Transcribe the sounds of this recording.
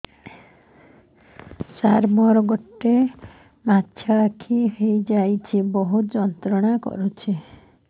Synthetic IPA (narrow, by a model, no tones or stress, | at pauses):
saɾmɔɾɔɡɔʈːe | mat̪ʰːjaakʰiɦejd͡ʒajt͡ʃʰibɔɦut̪d͡ʒɔnt̪ɾɔɽ̃akɔ̰ɾut͡ʃʰi